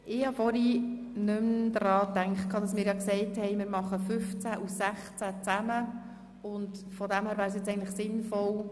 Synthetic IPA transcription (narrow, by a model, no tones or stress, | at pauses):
ʔɪhɑfɔɾi | nʏmd̪ɾɑːtæŋkχt̚kʰɑːdɑsmɪːɾjɑksɛɪthɛɪmɪːɾmɑχəfʏft͡sæʔusæχt͡sæt͡sæmə | ʊndfɔdæmhæːɾvʋæːɾəs̬jɪt͡sɛɪɡən̩tləχsɪnfɔl